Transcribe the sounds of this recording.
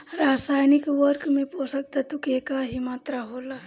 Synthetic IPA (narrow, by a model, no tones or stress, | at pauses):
ɾasajnikʋəɾkmeposək̚t̪at̪ukekaɦimat̪ɾaɦola